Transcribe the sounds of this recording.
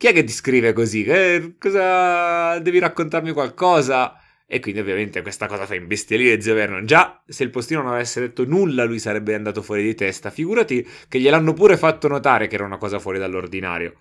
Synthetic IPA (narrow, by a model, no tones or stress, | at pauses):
k̟iɛkːet̪ːiskɾiːvekozikekɔza | d̪ɛːviɾakːont̪armikwalkɔːza | ekwind̪iovjament̪ekwest̪akɔːzafaiɱbest̪jeliːɾed̪ziovɛrnod͡ʒaseilpost̪inononavɛsːed̪et̪ːonulːalujsaɾɛbːeand̪aːt̪ofwɔːɾid̪it̪ɛst̪afiɡuːɾat̪ikeʎːelanːopuːɾefat̪ːonot̪aːɾekeɛːɾaunakɔːzafwɔːɾid̪alːord̪ina̰ːɾjo̰